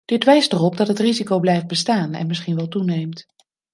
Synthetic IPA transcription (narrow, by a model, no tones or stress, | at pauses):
d̥ɪtʋɛjstərɔp̚dɑtɦətrizikowblɛjft̚bəstaːnɛ̰nmɪsχinʋɛlˠtunejmt